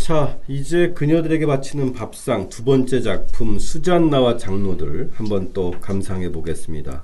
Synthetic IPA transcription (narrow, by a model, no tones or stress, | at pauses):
t͡ɕʰaid͡ʑe̞kɯɲʌdɯɾe̞ɡe̞mat͡ɕʰinɯnpap̚s͈aŋtubʌnt͡ɕ͈e̞d͡ʑak̚pʰumsʰud͡ʑanːawat͡ɕaŋnodɯɭhambʌnt͈okamsʰaŋɦe̞boɡe̞s͈ɯmɲida̰